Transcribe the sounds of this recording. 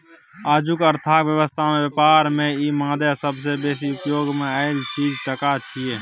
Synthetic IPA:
aːd͡ʒukəɾt̪ʰaːkʋjəʋəst̪ʰamẽbjəpaːɾmẽimãːd̪asəbs̬ebeːsiʊpjoːɡmẽaːɪlt͡ʃiːd͡ʒʈ̪əkat͡ʃʰie

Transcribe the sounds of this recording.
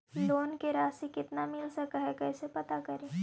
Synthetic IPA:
loːnkeɾaːsikɪt̪namɪlsɐkaɦɛkɛːsepɐt̪akɐɾeː

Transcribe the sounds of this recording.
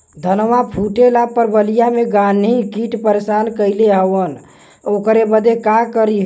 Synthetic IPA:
d̪ʱənʋapʰuʈelapəɾbəlijameɡanɦikiʈpəɾesankəɪleɦəʋən | okɾebəd̪ekakəɾi

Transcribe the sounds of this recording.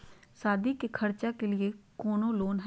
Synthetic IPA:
saːd̪iːkekʰəɾt͡ʃaːkelɪeːkoːnõːloːnɦ

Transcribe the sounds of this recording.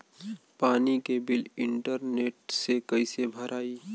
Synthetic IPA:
paːnikebɪlɪ̃ɳʈəɾneːʈsekəɪsebʱəɾʔaːiː

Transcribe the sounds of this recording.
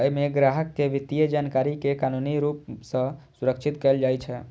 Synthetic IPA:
əimeɡɾaɦəkːeʋit̪ːijəd͡ʒankaɾikekanuniɾupsə̃suɾəkt͡ʃʰit̪kɛld͡ʒajt͡ʃʰɛ

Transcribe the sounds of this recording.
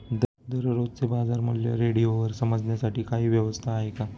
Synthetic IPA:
d̪ | d̪əɾɾod̪t͡sebad͡zaɾm̤əɽlja̰ɾeɽijoʋəɾsəməd͡zɳjasaʈiːkaɦiːʋjəʋəst̪ʰaːɦeka

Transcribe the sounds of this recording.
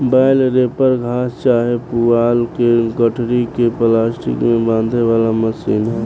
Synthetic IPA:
baːɪlɾeːpəɾɡʱaːst͡ʃaːɦepuaːlkeɡəʈʰɽikeplaːsʈḭkmẽbãːnd̪ʱeʋaːlaməsiːnɦɛ

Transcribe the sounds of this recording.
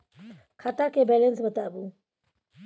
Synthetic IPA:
kʰat̪akebɛlensbət̪abu

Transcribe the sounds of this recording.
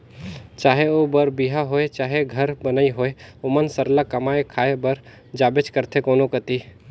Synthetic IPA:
t͡ʃaːɦeoːbəɾbiɦaɦoːet͡ʃaːɦeɡʱɐɾbɐnaiɦoːeʊmənsəɾlakɐmaːekʰaːebɐɾ | d͡ʒaːbɪt͡ʃkəɾt̪ʰekoːnokət̪iː

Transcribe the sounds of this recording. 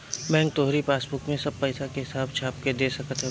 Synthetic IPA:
bɛ̃ːŋɡ̚t̪oɦɾipaːsbʊkmẽsɐb̚pɛːsakeɦɪsaːbt͡ʃʰaːp̚ked̪eːsɐkət̪ɦɛ

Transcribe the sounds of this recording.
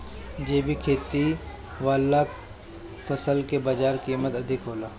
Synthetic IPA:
d͡ʒeːbʱikʰeːt̪i | ʋaːla | fɐsəlkebaːd͡ʒaːɾkiːmət̪ɐd̪ʱɪkɦoːlaː

